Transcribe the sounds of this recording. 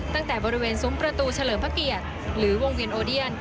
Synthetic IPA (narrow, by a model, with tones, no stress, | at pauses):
t̪a˥˩ŋt̪ɛː˨˩bɔː˧ɾi˦weː˧nsuː˨˩˦mpɾa˧t̪uː˧t͡ɕʰa˧lɤː˨˩˦mpʰa˦˥ki˨˩ət̪̚ | ɾɯː˩˦wo˧ŋwi˧ənʔoː˧di˥˩ən